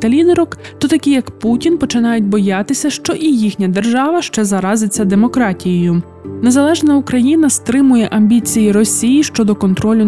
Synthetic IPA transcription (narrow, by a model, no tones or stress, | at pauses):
t̪ɐlʲinɛɾɔkt̪ɔt̪ɐkʲijɐkputʲinpɔt͡ʃɪnɑjʊtʲbɔjɑt̪ɪsʲɐʃt͡ʃɔʔijixnʲɐd̪e̞rʒɑʋɐʃt͡ʃɛzɐɾɑzɪt͡sʲːɐd̪e̞mɔkɾɑtʲijejʊm | ne̞zɐlˠɛʒnɐukɾɐjinɐst̪ɾɪmʊjɛʔɐmʲbʲit͡sʲijiɾɔsʲijiʃt͡ʃɔd̪ɔkɔnt̪ɾɔlʲʊ